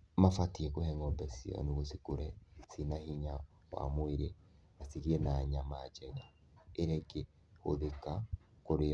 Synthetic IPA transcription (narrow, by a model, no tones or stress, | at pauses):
mafatiɛkohɛŋɔbɛsiɔ̰nuɣosikuɾɛsinahiɲa | wa̰mweɾe | asiɾiɛnaɲamad͡ʒɛŋa | eɾɛɡe | ho̰ðeka | koɾe